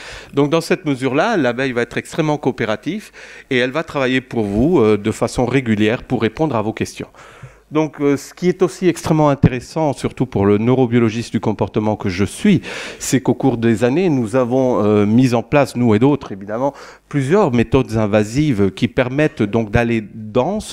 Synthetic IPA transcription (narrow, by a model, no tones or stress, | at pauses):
d̪ɔ̃k̚d̪ɑ̃sɛt̪məzyʁlalabɛjvaɛt̪χɛkst̪χɛmːɑ̃koːpeʁat̪iveɛlvat̪χavajepuʁvuød̪əfasɔ̃ʁeɡʲyljɛʁpuʁːepɔ̃d̪ʁavokʲɛst̪jɔ̰̃ | d̪ɔ̃køsə̥kʲiɛt̪osiɛkst̪χɛmːɑ̃ɛ̃t̪eʁesɑ̃syʁt̪upuʁlənøʁɔbjɔlɔʒistd̪ykɔ̃pɔʁt̪əmɑ̃kəʒəsɥisɛkokuʁd̪ezanenuzavɔ̃ømizɑ̃plasnued̪ot̪χevid̪amɑ̃ | plyzjœʁmet̪ɔd̪zɛ̃vazivkʲipɛʁmɛt̪d̪ɔ̃k̚d̪aled̪ɑ̃s